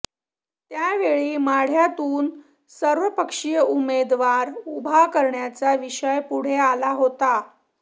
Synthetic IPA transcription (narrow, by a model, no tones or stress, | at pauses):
t̪jaʋeɭiːmaɽ̤jat̪uːn | səɾʋəpəkʂijəumed̪ʋaɾubʱakəɾɳjat͡saʋiɕəjpuɽ̤ealaɦot̪a